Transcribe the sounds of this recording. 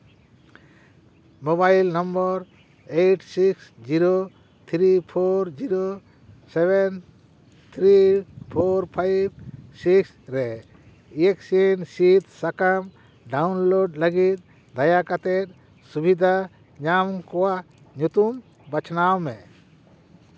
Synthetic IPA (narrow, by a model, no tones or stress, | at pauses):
mobajlnɔmbɔɾ | ejʈsiksd͡ʒiɾo | t̪ʰɾipʰoɾd͡ʒiɾo | sɛβɛn | t̪ʰɾipʰoɾpʰajb̚siks | ɾɛ | ijeksinsit̪sakam | ɖawnloɖləɡit̪̚ | d̪ajakat̪ɛt̪̚ | subid̪ʱa | ɲamkɔwa | ɲut̪um | bat͡ʃʰnawmɛ